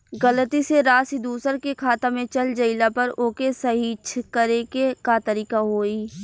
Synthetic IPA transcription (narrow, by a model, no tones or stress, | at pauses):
ɣələt̪iseɾaːsid̪uːsəɾkekʰaːt̪ãmẽt͡ʃəld͡ʒəɪlapɐɾoːkesɐɦit͡ʃʰkəɾekekat̪əɾiːkaɦoːiː